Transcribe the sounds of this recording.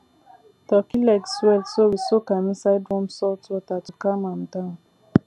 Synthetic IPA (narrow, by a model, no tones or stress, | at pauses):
tɔkilɛɡswɛltsowisokamĩsaɪdɹɔ̃msɔltwɔtatukamãmdãʊ̃n